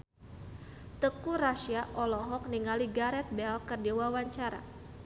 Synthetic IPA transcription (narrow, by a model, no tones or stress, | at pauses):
t̪əkuɾaʃiaʔɔlɔɦɔk̚niŋaliɡaɾɛt̪̚bɛlkərdiwawaɲt͡ʃaɾa̰